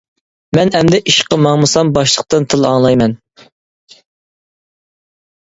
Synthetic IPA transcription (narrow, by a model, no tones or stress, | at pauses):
mɛnɛmd̪ɛʔiʃqəmɑŋmɨsɑmbɑʃlˠəq̚t̪ɨnt̪ʰɨlˠɑŋlˠɑjmɛn